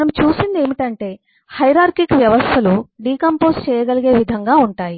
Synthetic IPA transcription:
nɐmt͡ʃuːsind̪e̞ːmiʈɐɳʈe̞ː | hɐjɾaːɾkikʋjɐʋɐst̪ʰɐluɖiːkɐmpo̞ːst͡ʃɛːjɐɡɐliɡe̞ːʋid̪ʱɐŋɡaːuɳʈaːji

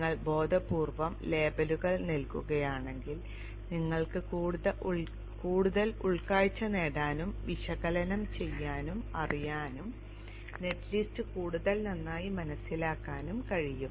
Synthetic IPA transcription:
ɐɭbo̞ːd̪ʱɐpuːrʋɐmle̞ːbɐluɣɐɭnilkuɣɐjaːɳe̞ŋɡil | niŋːɐɭkɨkuːɽðɐ | kuːɽuðɐluɭkaːɻt͡ɕːɐne̞ːɽaːnumʋiɕɐɣɐlɐnɐmt͡ɕe̞jːaːnumɐ̰rijaːnum | ne̞tːlistɨkuːɽuðɐlnɐnːaːjimɐnɐsːilaːkːaːnumkɐɻijum

